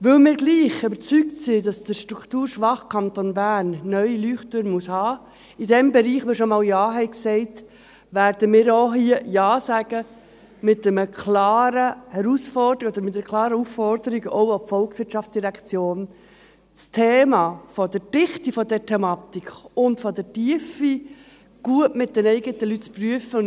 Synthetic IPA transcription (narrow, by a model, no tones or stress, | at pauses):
ʋɵlmɪːɾɡliːχøbəɾt͡syktsidɑsd̥əɾʃtɾukʰtuːɾʃʋɑχkʰɑnt̪ɔnbæːnːœʏilyːχtøɾnmushɑː | idɛmbɛɾiːχmɪːʃɔmɑːljɑːɦɛɪksɛɪt | ʋæːɾdəmɪːɾoɦiəjɑːsæɡ̥ə | mɪtːɛməkʰlɑːɾəhɛɾusfɔrdəiɔd̥̪əɾmɪtːɛɾəkʰlˠɑːɾəuffɔrd̪əɾiɡɔʊapfɔlksʋɪɾtʃɑft͡sd̥iɾækt͡sjoːn | t͡stʰeːmɑːfɔd̪ɛɾd̥ɪχtifɔd̪ɛɾtʰɛmɑt̪ikχʊntfɔd̪ɛtiəfi | ɡ̥uəʔmɪt̚d̥ɛnɛɪɡətəlytt͡spryəfə